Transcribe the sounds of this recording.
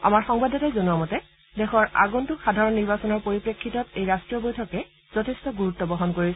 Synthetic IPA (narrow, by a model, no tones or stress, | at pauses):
a̰maɹxɔŋbadɔtajzonuamɔtɛ | dɛxɔɹa̰ɡɔntuxadʱaɹɔnːiɹbasɔnɔɹpoɹipɹekʰːitɔtejɹastɹijɔbojtʰɔkɛ | z̥ɔtʰestɔɡuɹutːɔbɔɦɔnkoɹisɛ